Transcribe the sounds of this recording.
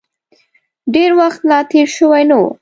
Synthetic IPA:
ɖeɾwaxt̪lɑt̪eɾʃəwajnaw̰

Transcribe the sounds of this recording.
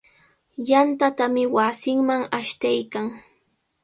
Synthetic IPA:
jant̪at̪amɪwasɪŋmaŋaʃt̪ajkaŋ

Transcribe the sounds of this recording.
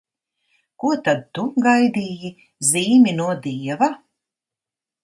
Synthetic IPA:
kuɔt̪ad̪̚t̪uɡajd̪iːji | ziːmʲinuɔd̪iɛva

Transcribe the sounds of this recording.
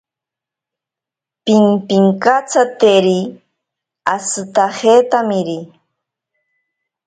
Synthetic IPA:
piŋpiŋkat͡sat̪eɾi | asɨt̪ahet̪amɪɾi

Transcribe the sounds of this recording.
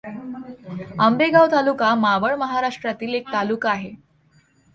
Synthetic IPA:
ambeɡawt̪alukamaʋəɭməɦaɾaʂʈɾat̪iːlek̚t̪alukaɦe

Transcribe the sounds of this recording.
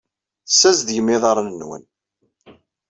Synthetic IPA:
sːæzd̪jəmːɪðˤɑɾˤənənːwə̰n

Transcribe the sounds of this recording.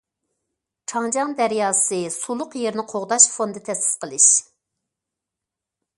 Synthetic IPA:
ʈ͡ʂʰɑŋd͡ʒɑŋd̪ɛɾjɑːsɨsulˠʊqjeɾnɪqʰoʁd̪ɑʃfond̪ɨt̪ʰɛsɪ̥sqəlˠɨʃ

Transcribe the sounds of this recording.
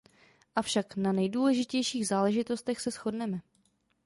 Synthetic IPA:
ʔafʃaknanɛjduːlɛʒɪcɛjʃiːɣzaːlɛʒɪt̪o̞st̪ɛxsɛsxo̞dnɛmɛ

